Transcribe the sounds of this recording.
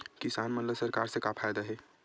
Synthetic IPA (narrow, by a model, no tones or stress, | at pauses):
kɪsaːnmənləsɐɾkaːɾsekapʰaːjd̪aɦɛː